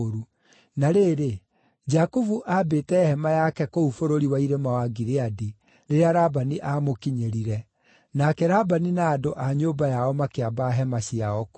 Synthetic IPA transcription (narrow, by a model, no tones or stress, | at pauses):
oɾu | naɾeːɾe | d͡ʒakovuʔabeːtɛhɛmajakɛkoufoɾoɾiwaiɾemawaɡiɾeadi | ɾeɾeaɾabaniʔamokiɲeɾiɾɛ | nakɛɾabaninaːdoʔaɲoːbajaɔmakeabaɦɛmaɕiaɔk